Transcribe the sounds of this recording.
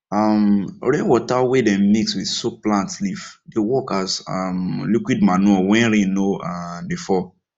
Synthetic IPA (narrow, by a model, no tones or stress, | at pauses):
amɹẽwɔtawedɛ̃mmikswiðsuk̚plãntlifdewɔkasamlikwid̚manuɔwɛ̃nɹĩnoabifɔ